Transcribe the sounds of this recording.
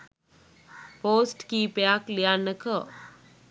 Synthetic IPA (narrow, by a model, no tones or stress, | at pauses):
poːsʈkiːpjaklijanːəkə